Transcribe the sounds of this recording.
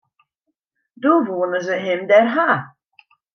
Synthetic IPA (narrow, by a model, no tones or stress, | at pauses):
doʋuənəzəɦɪmdɛrɦa